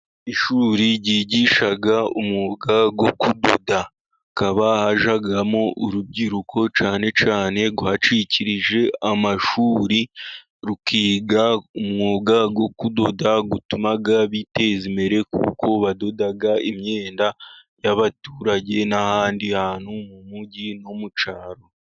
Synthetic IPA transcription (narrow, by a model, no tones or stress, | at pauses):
iʃuːɾiɾɟiːɟiʃaɡaumŋoɡaɡwo̞kudo̞̰da | kaβahaʒaɡamouɾub̚ɟiɾukʰo̞t͡ʃaːne̞t͡ʃaːne̞ɡuhat͡ʃiciɾiʒe̞amaʃuːɾi | ɾukiːɡaumŋoːɡaɡwo̞kudo̞daɡutumaɡaβite̞zimeɾe̞kṵːko̞βado̞daɡaimɲe̞ːnda | jaβatuːɾaɟe̞nahaːndihaːn̥humumuɟino̞mut͡ʃaɾo̞